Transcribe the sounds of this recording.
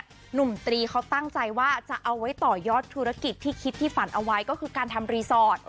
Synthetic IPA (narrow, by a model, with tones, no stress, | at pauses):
nu˨˩mt̪ɾiː˧kʰa˦˥wt̪a˥˩ŋt͡ɕa˧jwaː˥˩t͡ɕa˨˩ʔa˧wːa˦˥jt̪ɔː˨˩jɔː˥˩t̪ʰːu˦˥ɾa˦˥ki˨˩t̪ʰːiː˥˩kʰi˦˥t̪ʰːiː˥˩fa˩˦nʔa˧wa˦˥jkɔː˥˩kʰɯː˧kaː˧nt̪ʰa˧mɾiː˧sɔː˥˩t̪̚